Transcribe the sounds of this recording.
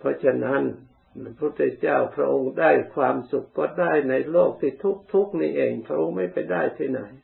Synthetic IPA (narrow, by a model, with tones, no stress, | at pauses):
pʰɔ˧˥t͡ɕʰa˧na˦˥n | pʰuː˦˥˩t̪ːʰe˧˩t͡ɕaː˥˩wpʰɾa˦˧ʔo˧ŋdaː˥˩jkʰwaː˧msu˨˩kːɔː˥˩daː˥˩jna˧jloː˥˩k̚t̪ʰiː˥˩t̪ʰu˦˥k̚t̪ʰu˦˥k̚niː˥˩ʔeː˧˩ŋpʰɾa˧ʔo˧ŋma˥˩jpa˧jdaː˥˩jt̪ʰiː˥˩na˩˦j